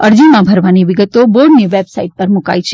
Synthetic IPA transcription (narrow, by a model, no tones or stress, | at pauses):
əɾd͡ʒimãbʱəɾʋaniʋɪɡət̪oboɾɖniʋebsaiʈ̚pəɾmʊka̰jt͡ʃʰe